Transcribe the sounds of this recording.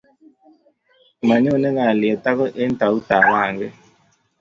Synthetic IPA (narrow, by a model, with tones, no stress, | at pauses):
ma˨ɲo˦˨ne˦ŋaː˨lɪ˨e˨t̪a˦kɔ˦ʔe˦n˦t̪a˨u˦t̪a˨waː˦˨ŋɡe˦